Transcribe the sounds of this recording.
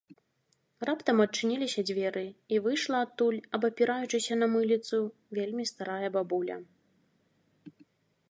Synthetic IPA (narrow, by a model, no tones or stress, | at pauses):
rapt̪ɐmɐt͡ʂːɨnʲilʲisʲɐd͡zʲvʲɛɾɨivɨjʂlˠɐːt̪ːulʲɐbɐpʲiɾajut͡ʂɨsʲɐnɐmɨlʲit̪su | vʲelʲmʲist̪aɾajɐbabulʲɐ̰